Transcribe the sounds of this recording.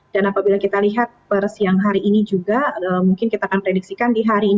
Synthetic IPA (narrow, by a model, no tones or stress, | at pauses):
danapabilakit̪aliɦat̪̚pərsijaŋɦaɾiʔːnid͡ʒuɡaəmuŋkɪnkit̪aːkanpɾedik̚sikandiɦaɾiːn